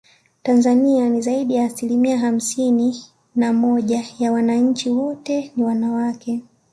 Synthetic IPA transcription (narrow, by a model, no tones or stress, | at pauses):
tanzanianizaiɗijaːsilimiaɦam̩sini | namɔʄajawanaɲ̩t͡ʃiwɔtɛniwanawakɛ